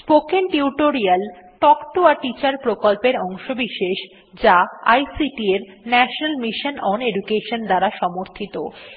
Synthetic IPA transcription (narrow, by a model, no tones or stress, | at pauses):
spokenʈiuʈoɾialʈɔkʈuaʈit͡ɕaɾpɾokolpeɾɔŋʃobiʃeʃ | d͡ʑaajsiʈieɾ | nɛʃonalmiʃonɔneɖukeʃond̪aɾaʃɔmoɾt̪ʰit̪o